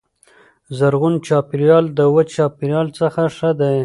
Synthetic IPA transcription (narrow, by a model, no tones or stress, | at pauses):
zaɾɣʊnt͡ʃɑpɪɾjɑld̪əwət͡ʃɑpɪɾjɑlt͡səxaʂəd̪aj